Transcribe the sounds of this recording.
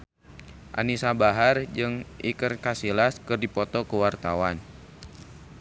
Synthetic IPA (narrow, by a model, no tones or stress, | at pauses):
ʔa̰nisabaɦard͡ʒɨŋʔikərkasilaskɨrdipɔt̪ɔkəwart̪awan